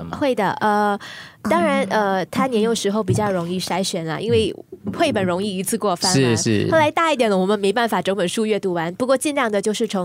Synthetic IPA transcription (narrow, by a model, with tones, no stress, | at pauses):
xwe˥˩ɪd̪ə˩ʔə˧t̪ɑ˥ŋɻa˧˥nə˧t̪ʰa˥njɛ˧˥njo˨˩ʊʂɻ̩˧˥xo˥˧ʊp̬i˨˩t͡ɕjɑ˥˩ʊɻʊ˧˥ŋi˥˩ʂa˧˥ɪɕɥɛ˧˥nlə̰˧ʔi˥nwe˥˩ɪxwe˥˩ɪpə˨˩nɻʊ˧˥ŋi˥˩i˧˥t͡sʰɹ̩˥˧kwɔ˥˧fa˥nɻ̩˥n̩˥˩xo˥˧ʊla˧˥ɪt̪a˥˧i˥˩t̪jɛ˨˩nlə˧wɔ˨˩mə˦nme˧˥ɪpa˥˩nfa˨˩ʈ͡ʂɤ˧˥ŋwə˨˩nʂu˥˧ɥɛ˥˧t̪u˧˥˩wa˧˥npu˧˥kwɔ˥˧t͡ɕi˥˧nljɑ˥˩ŋd̪ə˩t͡ɕjo˥˧ʊʂɻ̩˥˩ʈ͡ʂʰɤ˧˥ŋ